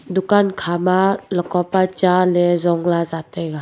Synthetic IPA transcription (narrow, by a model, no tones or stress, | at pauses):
dukankʰamalɔkɔpat͡ʃalɛzɔŋlazat̪ajɡa